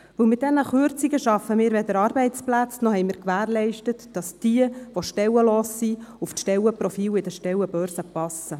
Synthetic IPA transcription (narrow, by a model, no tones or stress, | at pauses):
vɵlmɪt̚dɛnəχʏɾt͡siɡəʃɑfːəmiːɾʋɛd̪əɾɑːɾbɛɪt͡splæt͡snɔhɛɪmiːɾkʋæːɾlɛɪʃtətd̥ɑsd̥iəʋoʃtɛwəloːsːiuftʃtɛlwəpɾɔfiːlɪdəʃtɛwəbœːɾsəpɑsə